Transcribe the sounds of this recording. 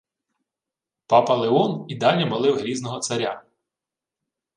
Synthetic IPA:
pɑpɐlˠeɔnid̪ɑnʲɐmɐlˠɪwɦɾʲiznɔɦɔsɐɾʲa

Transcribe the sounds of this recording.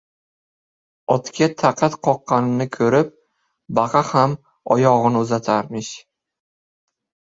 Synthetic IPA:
ɒt̪kʲat̪ʰaqʰɑt̪qʰɒqːɑnɪnɪkʰɵɾɪp̚ | bɑqʰɑham | ɒjɒʁɨnʊzat̪ʰaɾmɪʃ

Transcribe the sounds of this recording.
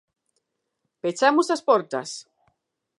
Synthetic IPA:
pet͡ʃamʊsaspɔɾt̪a̰s

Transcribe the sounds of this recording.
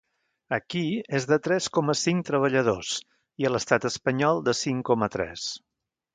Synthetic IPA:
əkiezðət̪ɾɛskɔməsiŋt̪ɾəβ̞əʎəðos | iələst̪at̪əspəɲɔlˠd̪əsiŋkɔmət̪ɾɛ̰s

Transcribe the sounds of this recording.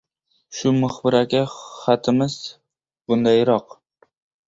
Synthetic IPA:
ʃʊmʊχbɪɾakʲaχat̪ʰɪmɪz̥ | bʊnd̪ajɾɒq

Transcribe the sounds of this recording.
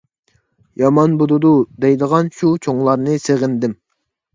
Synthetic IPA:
jɑmɑnbud̪ud̪ud̪ɛjd̪əʁɑnʃut͡ʃʰoŋlˠɑɾnɨseʁɪnd̪ɪm

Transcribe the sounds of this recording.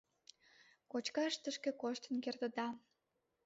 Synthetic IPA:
kot͡ɕkɑʃt̪əʃkekoʃt̪ə̆nkert̪ə̆d̪ɑ

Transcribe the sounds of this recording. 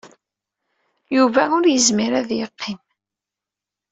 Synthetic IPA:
juvæʊɾjəzmiɾæðjəqʰːim

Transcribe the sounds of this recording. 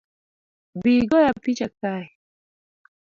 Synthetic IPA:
biɡɔjapit͡ʃaka

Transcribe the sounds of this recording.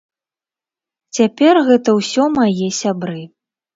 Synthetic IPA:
t͡sʲapʲɛrɣɛt̪ɐwsʲɔmajɛsʲabɾɨ

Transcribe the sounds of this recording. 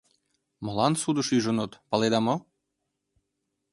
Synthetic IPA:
mɤ̆lɑnsud̪əʃyʒɤ̆not̪pɑled̪ɑmo

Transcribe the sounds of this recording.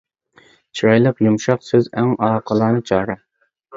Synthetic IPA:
t͡ʃʰiɾɑjlˠəqjumʃɑqsøzæŋɑːqʰəlˠɑːnɨt͡ʃʰɑːɾɑ

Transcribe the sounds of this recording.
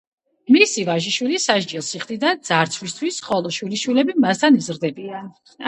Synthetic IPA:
misivaʒiʃwilisaʃd͡ʒilˠsiχd̪ʼid̪and̪z̥aɾt̪sʰwist̪ʰwisχɔlˠɔʃwiliʃwilɛbimast̪ʰanizɾd̪ɛbian

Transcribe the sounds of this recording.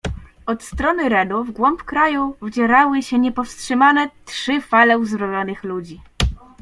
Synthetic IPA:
ɔt̪st̪ɾɔnɘɾɛd̪uvɡwɔmpkɾajuvd͡ʑɛɾawɘɕɛɲɛpɔfstʂɘmanɛtʂɘfalɛuzbɾɔvʲjɔnɘxlud͡ʑi

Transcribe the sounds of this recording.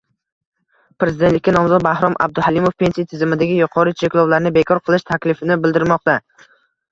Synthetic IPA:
pɾe̞zɪd̪ent̪lɪkʲːanɒmzɒd̪̚bahɾɒmʔa̰b̚d̪ʊhalimofpʰe̞nsijat̪ʰɪzɪmɪd̪aɡʲɪjʊqʰɒɾɪt͡ʃʰe̞kʲlˠɒwlaɾɪnɪbe̞kʰɒɾqʰɨlˠɪʃt̪ʰakʲlɪfɪnɪbɪld̪ɪɾmɒq̚t̪a

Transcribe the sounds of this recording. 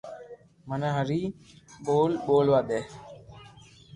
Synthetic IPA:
mənãːɦəɾiː | ɓoːlɓoːlʋaːd̪eː

